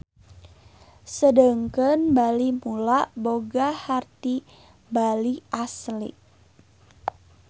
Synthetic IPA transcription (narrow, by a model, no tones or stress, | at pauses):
sədəŋkənbalimulaʔboɡahart̪i | baliʔaslɪ̰